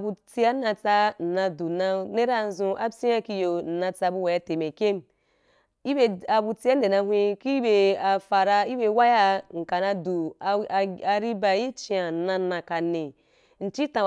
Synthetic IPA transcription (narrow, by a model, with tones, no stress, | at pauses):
bu˧t͡si˧ja˦na˧t͡sa˧n̩˨na˧du˨na˧ne˦ɾa˦zũ˧ʔa˦si˦ja˦ki˧jo˧n̩˨nã˧t͡sa˧bu˧wa˨ja˧te˨me˨kʲe˦m | i˦be˧a˨bu˧t͡si˧˦a˦n̩˦de˨na˧ɦʷĩ˧ki˦be˧a˨fa˨ɾa˧i˦be˧˦wa˦ja˦ŋ̩˨ka˨na˧du˨ | a˨ɾi˦ba˨ji˦t͡ʃi˦a˨n̩˨na˧˦nã˨ka˨ne˨ | n̩˨t͡ʃi˦tã˨